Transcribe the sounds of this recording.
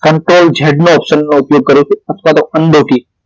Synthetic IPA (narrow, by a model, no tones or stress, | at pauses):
kəɳʈɾold͡ʒʱeɖnoɔpʃənːoupjoɡ̚kəɾũt͡ʃʰeət̪ʰʋat̪oənɖoʈi